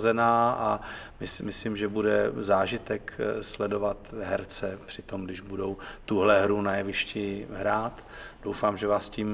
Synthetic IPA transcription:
zɛnaːʔamɪsmɪsliːmʒɛbudɛzaːʒɪt̪ɛkslɛdo̞vat̪ɦɛɾt͡sɛpr̥ɪt̪o̞mɡdɪʒbudo̞wt̪uɦlɛɦɾunajɛvɪʃcɪɦɾaːt̪ | d̥o̞wfaːmʒɛvaːsciːm

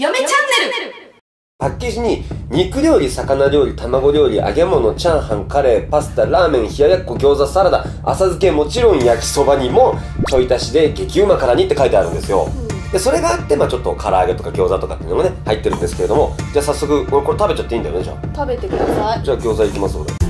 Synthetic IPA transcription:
et͡ɕae | pakʲːeʑiɲ̟iɲ̟ikɯ̟ɾʲo̞ːɾʲisakanaɾʲjo̞ːɾʲit̪amaɡo̞ɾʲjo̞ːɾʲiʔa̰ɡe̞mo̞no̞t͡ɕãɰ̃hãŋkaɾe̞ːpasɨ̥t̪aɾaːmẽ̞ɰ̃çijajakːoɡʲo̞ːzasaɾad̪a | a̰sazɨke̞mo̞t͡ɕiɾõ̞ɰ̃jakʲi̥so̞baɲ̟imo̞ | t̪o̞it̪aɕid̪e̞ɡe̞kʲiɯmakaɾaɲ̟it̪ːe̞kait̪eaɾɯ̟̃nd̪e̞sɨjo̞̰d̪e̞so̞ɾe̞ɡaːt̪ːe̞maːt͡ɕo̞t̪ːo̞kʰaɾaːɡe̞t̪okaɡʲo̞ːzat̪okḁ̰t̪ːeiɯ̟noɡane̞hait̪ːe̞ɾɯ̃nd̪esɨ̥ke̞ɾe̞d̪o̞mo̞d͡ʑaːsasːo̞kɯ̟koɾeko̞ɾe̞t̪abe̞t͡ɕat̪ːe̞ĩnd̪ajod̪eo̰t̪abet̪ekad͡ʑaːɡʲo̞ːzaikʲimasɨ̥koɾe

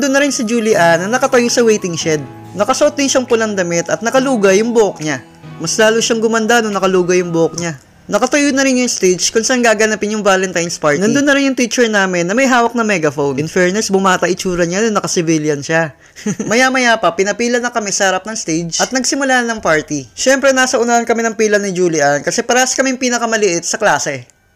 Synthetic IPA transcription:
d̪onːɐɾɪnsɪd͡ʒuːlɪʔanɐnɐkɐt̪ɐjosɐwejt̪ɪŋʃɛd̪̚ | nɐkɐsɐʔo̞t̪̚d̪ɪnʃɐŋpʊlɐŋd̪ɐmɪt̪ɐt̪nɐkɐluːɡɐjʊŋbʊʔok̚ɲa | mɐslaːlʊʃɐŋɡʊmɐnd̪anoŋnɐkɐluːɡɐjʊŋbʊʔok̚ɲa | nɐkɐt̪ɐjonɐɾɪnjʊŋst̪ejd͡ʒkʊnsaʔanɡaːɡɐnapɪnjʊŋvaːlɛnt̪ajnspaɹnd̪ɐnd̪onːɐɾɪnjʊŋt̪it͡ʃɛɹnaːmɪnːɐmɐjɦaːwɐk̚nɐmɛɡɐfownɪnfɛɹnɛsbʊmaːt̪ɐʔɪt͡ʃuːɾɐnɲanonːɐkɐsɪvɪljɐnʃa | mɐjamɐjaːpɐpɪnɐpiːlɐnɐkɐmɛsɐhɐɾap̚nɐŋst̪ejd͡ʒʔɐt̪nɐɡsɪmʊlaːnɐnɐŋpaɹt̪iʃɛmpɾɛnaːsɐʔʊnaɐnkɐmɛnɐŋpiːlɐnɪd͡ʒuːlɪʔɐnkɐsɛpɐɾɐɐskɐmɛŋpiːnɐkɐmɐlɪʔɪt̪̚sɐklaːsɛ

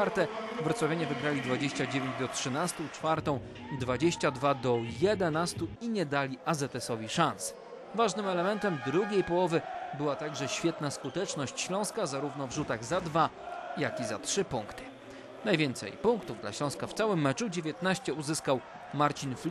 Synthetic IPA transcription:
aɾt̪ɛvɾɔt̪swavʲaɲɛvɘɡɾalʲid̪vad͡ʑeɕt͡ɕad͡ʑevʲeɲd͡ʑd̪ɔtʂɘnast̪ut͡ʂfaɾt̪ɔ̃w̃ | d̪vad͡ʑeɕt͡ɕad̪vad̪ɔjɛd̪ɛnast̪uiɲɛd̪alʲiʔazɛt̪ɛsɔvʲiʂans | vaʐnɘmɛlɛmɛnt̪ɛmd̪ɾuɡʲejpɔwɔvɘbɘwat̪aɡʐɛɕfʲjɛt̪naskut̪ɛt͡ʂnɔɕt͡ɕɕlɔ̃w̃skazaɾuvn̪ɔvʐut̪aɣzad̪va | jakʲizatʂɘpuŋkt̪ɘ̥ | najvʲɛnt̪sɛ̰jpuŋkt̪uvd̪la̰ɕlɔ̃w̃skaft̪sawɘmːɛt͡ʂud͡ʑevʲjɛt̪naɕt͡ɕɛuzɘskaw | maɾt͡ɕinflʲ

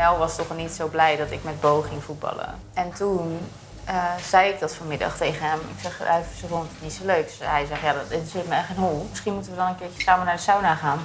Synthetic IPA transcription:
ɛlˠʋɑstɔχnitsowblɛjdɔtɪkmɛt̚bowχɪŋfut̚bɑ̰lˠə̰ | ɛntun | əz̥ɛjɪk̚dɔtfoːrmɪdɑ̰χtejχənɦɛmɪ̰ksɛχjsəfontɪsnitsoløɥk̚sɦɛjzɛχjaːdɪnsɪltməɛɪnɦulˠmɪsχinmutənʋədɔnənkɪɹjə̥saːmənaɹdəsawnaχaːn

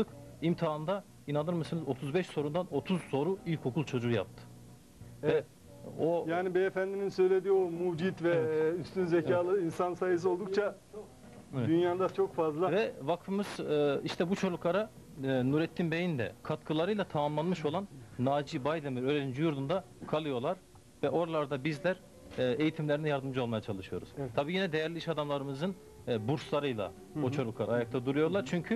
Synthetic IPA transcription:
ɯkimt̪ʰaːɯnd̪a | inanɯɾmɯsɯnɯzo̞t̪ʰuzbɛʃso̞ɾund̪ano̞t̪ʰuz̥so̞ɾuilʲko̞kʰulˠt͡ʃʰo̞d͡ʒuja̰p̚t̪ʰɯ̥ | vɛɛ | ojaːnibiefænd̪iminsø̞jlʲe̞d̪iomud͡ʒit̪vɛyst̪ynzecaːlˠɯinsansajɯs̬olˠd̪uk̚t͡ʃʰa | ɛɛynjaːd̪at͡ʃʰo̞kfazlˠavɛvakfɯmɯz̥iʃt̪ʰɛbut͡ʃʰo̞lˠukʰaɾanuɾɛt̪ʰːimbejind̪ɛ̰kʰat̪kʰɯlˠaɾɯjlˠat̪ʰamamlˠanmɯʃo̞lˠanːaːd͡ʒibajd̪emiɾøɾelʲind͡ʒujuɾd̪und̪a | kʰalˠɯjo̞ɾlˠaɾ̥ | vɛʔo̞ɾalˠaɾd̪abizlʲæɾ | ejit̪ʰimlʲeɾinɛjaɾd̪ɯmd͡ʒɯolˠmajat͡ʃʰalˠɯʃɯjo̞ɾṵz̥t̪ʰabiːjinɛd̪e̞jæɾlʲiiʃad̪amlˠaɾɯmɯzɯn | buɾslˠaɾɯjlˠa̰ | ot͡ʃʰo̞lˠukʰaɾajak̚t̪ʰad̪uɾujo̞ɾlˠaɾt͡ʃʰyɲcʰy

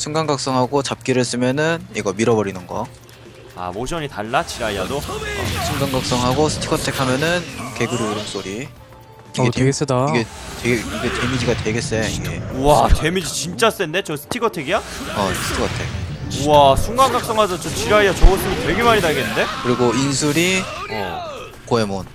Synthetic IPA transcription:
sʰuŋɡaŋɡak̚s͈ʌŋɦaɡot͡ɕap̚k͈iɾɯɭs͈ɯmjʌnɯniɡʌmiɾʌbʌɾinɯnɡʌ | a̰moɕʰʌɲitaɭːat͡ɕiɾaia̰doʌ̰sʰuŋɡaŋɡak̚s͈ʌŋɦaɡosʰɯ̥tʰi̥kʰʌtʰe̞kʰamjʌnɯnke̞ɡuɾiuɾɯms͈oɾi | iɡetees͈ɯdaiɡeteɡiɡe̞twe̞mid͡ʑiɡatwe̞ɡe̞s͈eiɡe̞ate̞mid͡ʑit͡ɕint͡ɕ͈as͈ende̞t͡ɕʌsʰɯ̥tʰikʰʌtʰeɡija | ʌsʰɯ̥tʰikʰʌtʰek̚asʰuŋɡaŋɡak̚s͈ʌŋɦasʰʌt͡ɕʰʌt͡ɕiɾaiat͡ɕʌɡʌs͈ʰɯmitwe̞ɡe̞maɲinaɭɡenːɯnde̞kɯɾiɡoinsʰuɾiʌ̰ | koe̞mon

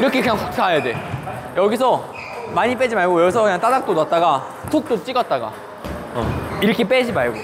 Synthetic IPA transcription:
iɾʌkʰekɯɲaŋsʰuk̚t͡ɕʰaɦajade̞jʌɡisʰʌ | maɲip̬͈ed͡ʑimaɭɡojʌɡis̬ʰʌkɯɲaŋt͈adak̚t͈onat̚t͈aɡa | sʰok̚t͈ot͡ɕ͈iɡʌt̚t͈aɡa̰ | ʌ̰iɾʌkʰep͈ed͡ʑimaɭɡo

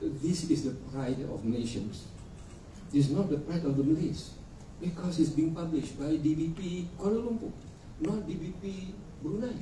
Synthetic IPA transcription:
disisdəpɹajtɔ̰fneʃə̃ns | is̬nɔt̚dəpɹajtɔfdəmilis | bikʰɔsitsbĩŋpablɪʃt̚bajdibipikɔnəlũmpu | nɔ̃t̚dibipi | bɾunaj

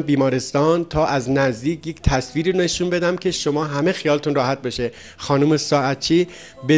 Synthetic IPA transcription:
mbiːmɒːɾe̞st̪ɒːnt̪ʰɒːʔæznæzd̪iːcʰject̪ʰæsviːɾiːne̞ʃunbe̞d̪æmcʲʰe̞ʃomɒːɦæmexijɒːlet̪ʰunrɒːhæt̪̚beʃe | xɒːnuːmesɒːæt̪t͡ʃʰiː | be

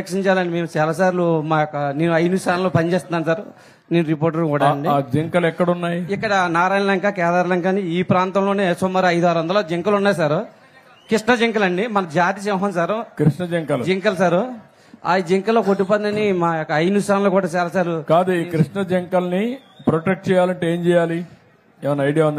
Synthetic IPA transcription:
ekʂiɲt͡ʃaːlɐɳɖime̞ːmut͡ʃaːlaːsaːɾlumaːjɔkːɐne̞ːnuɐjnuːsʈ̪aːnɐloːpɐnit͡ʃeːst̪und̪aːns̬aːɾu | neːnuɾipoːɾʈ̬ɐɾkuːɽaːɐɳɖid͡ʒiŋkɐlɛkːɐɽunːaːjiikːɐɽɐnaːɾaːjnɐlɐŋkaːkɛːd̪aːɾlɐŋkaniiːpɾaːnt̪ɐmloːneːsomːɐɾuɐjd̪uɦaːɾuʋɐnd̪ɐloːd͡ʒeŋkɐlunːaːjsaːɾu | kɾiʂnɐd͡ʒiŋkɐlɐɳɖimɐnɐd͡ʒaːt̪̬isɛʋɦɐnsaːɾukɾiʂnɐd͡ʒɐŋkɐld͡ʒiŋkɐlɐsaːɾu | a̰ːjid͡ʒiŋkɐlːoːkoʈːip̬oːt̪nɐnimaːɔkːɐɐjnust̪ʰaːnɐloːkuːɽaːt͡ʃɛːlɐsaːɾukaːd̪ukɾiʂɳɐd͡ʒɛŋkɐlni | pɾoʈek̚ʈ̚t͡ʃɛːjaːlɐɳʈeeːmt͡ʃɛːjaːli | ɛːʋɐnːɐɐjɽijaːund̪i

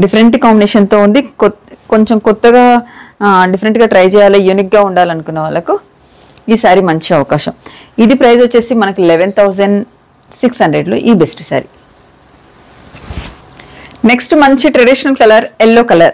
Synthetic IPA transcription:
ɖipʰɐɾeɳʈkaːmbineːʂɐnt̪o̞ːund̪iko̞ɲt͡ʃemkɔt̪ːɐɡaː | ɖipɐɾeɳʈɡaːʈɾɐjd͡ʒɛːjaːlɐjuːnik̚ɡaːuɳɖaːlɐnukunːɐʋaːɭːɐku | iːsaːɾimɐɲt͡ʃiɐʋɐkaːʃɐm | id̪ipɾɐjzɐt͡ʃːe̞ːsimɐnɐkuileʋent̪ʰɐwzɐɳɖ | siksɦɐɳɖɾeɖlo̰ːʔiːbesʈu̥sa̰ːɾi | neksʈmɐɲt͡ʃiʈɾɐɖiʃɐnɐlkɐlɐɾelːoːkɐlɐɾ

